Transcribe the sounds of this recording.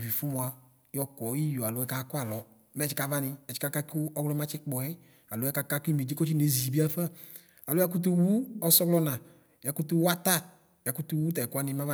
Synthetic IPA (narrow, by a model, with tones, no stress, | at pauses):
vi˨fu˦mɔ˧a˧ | jɔ˧kɔ˨˦i˦jo˨a˨lo˦ɛ˦ka˨˧˦kɔ˦a˨lɔ˨ | mɛ˦t͡ʃi˨˦ka˧va˦nɪ˧ɛ˨t͡ʃi̥˨˦ka˧˦ka˧ku˦ɔ˦wlɔ˧˦mã˦t͡ʃɪ˦k͡pɔ˨ɛ˦ | a˨lo˦ɛ˦ka˧ka˧ku˦i˦mi˨d͡ʒi˦ko˦t͡ʃi˦ne˨˦zi˨bi˦a˦fa˦˨ | a˨lo˦a˧k̬u˦t̬u˧wu˦ɔ˧sɔ˦ɡlɔ˧˦nã˨ | ja˨ku˦t̪u˧˦wa˦t̪a˦˨ | ja˨ku˦t̪u˧wu˦t̪̬a˨ɛ˨ka˧ni˧mã˦va˦